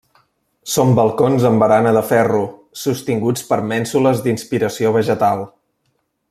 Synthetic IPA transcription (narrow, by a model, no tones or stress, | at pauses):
sombəlˠkonzəmbəɾanəðəfɛru | sust̪iŋɡut͡spəɾmɛnsuləzd̪inspiɾəsioβ̞əʒət̪alˠ